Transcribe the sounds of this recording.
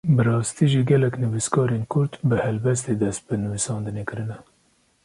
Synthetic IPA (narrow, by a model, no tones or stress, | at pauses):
bɨɾɑːst̪iːʒiɡɛlɛknɨviskɑːɾeːnkʰʊɾt̪bɨhɛlbɛst̪eːd̪ɛst̪̚bɨnɨvisɑːnd̪ɨneːkɨɾɨnɛ